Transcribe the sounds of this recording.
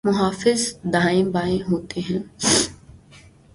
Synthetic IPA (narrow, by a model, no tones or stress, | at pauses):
mʊɦaːfɪzd̪aːɪ̃mbaːẽɦoːt̪eɦɛ̃ː